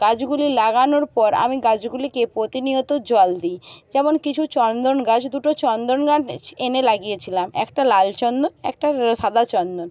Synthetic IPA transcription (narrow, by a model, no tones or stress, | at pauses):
ɡ̥ad͡ʑɡulilaɡanoɾpɔɾa̰miɡad͡ʑɡulikepɾot̪iniot̪od͡ʑɔld̪id͡ʑɛmonkit͡ɕʰut͡ɕɔnd̪onɡat͡ɕʰd̪uʈot͡ɕɔnd̪onɡaʈenelaɡijet͡ɕʰilamɛ̰kʈalalt͡ɕɔnd̪onɛ̰k̚ʈaʃad̪ʱat͡ɕɔnd̪on